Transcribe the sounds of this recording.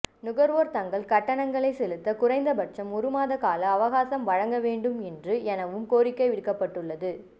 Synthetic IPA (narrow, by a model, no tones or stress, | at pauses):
nʊɣɐɾʋoːɾt̪ɐŋɡɐɭkɐʈːɐɳɐŋɡɐɭɐɪsɛlɯt̪ːɐkʊrɐɪnd̪ɐbɐʈ̚t͡ʃɐmʊɾɯmaːðɐkaːlɐːʋɐɣaːsɐmʋɐɻɐŋɡɐʋeːɳɖɯmɛndrɯɛnɐʋɯmkoːɾɪkːɐɪʋɪɽkːɐpːɐʈːɯɭːɐðɯ